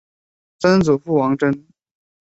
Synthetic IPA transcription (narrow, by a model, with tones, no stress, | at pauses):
t͡sə˥nt͡su˨˩fu˥˩wɑ˧˥ŋʈ͡ʂə˥n